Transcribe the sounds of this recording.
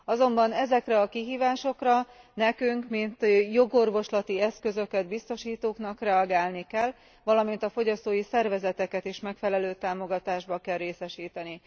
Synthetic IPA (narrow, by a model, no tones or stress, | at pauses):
ɒzo̞mbɒnɛzɛkrɛɒkiɦiːvaːʃo̞krɒ | nɛkyŋkmint̪jo̞ɡo̞rvo̞ʃlɒt̪iɛskø̞zø̞kɛd̪̚bist̪o̞ʃiːt̪oːknɒkrɛɒɡaːlnikɛl | ʋɒlɒmin̪t̪ɒfo̞ɟɒst̪oːjisɛrvɛzɛt̪ɛkɛt̪iʃmɛkfɛlɛløːt̪aːmo̞ɡɒt̪aːʒbɒkɛlːeːsɛʃiːt̪ɛni